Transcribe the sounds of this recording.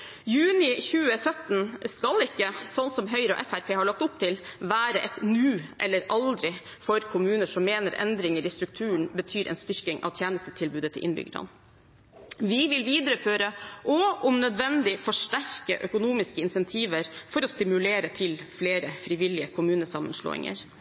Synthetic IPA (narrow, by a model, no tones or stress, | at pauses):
jʉːnɪçʉːəsœt̪n̩skɑlɪkːəsɔnt̪sɔmɦœʏɾɔ̰ʔɛfæɾpʰeːhɑɭɑk̚t̪ʊp̚t̪ʰɪlʋæːɾəʔɛt̪nʉːʔɛ̰lːəɾɑld̪ɾɪ | fɔɾkʰʊmʉːnəʂɔmmeːnəɾʔɛ̰nd̪ɾɪŋəɾɪst̪ɾʉk̚t̪ʰʉːɳ̩bət̪ʰyːɾʔɛ̰nst̪ʏɾkɪŋʔɑ̰ʋt̪ʰjæːnəst̪ət̪ʰɪlbʉːd̪ət̪ʰɪlʔɪ̰nbʏ̰ɡɾɑ̰n | ʋɪʋɪlʋiːd̪əɾəføːɾəʔɔɔmnœd̪ʋɛnd̪ɪfɔʂʈæɾkə̰ʔœkʊnuːmɪskəɪnsɛnt̪ʰiːʋəɾfɔɾɔst̪ɪmʉleːɾət̪ʰɪlfleːɾəfɾɪʋɪlɪəkʰʊmʉːnəsɑmːə̰nʂɭo̰ːɪ̰ŋə̰ɾ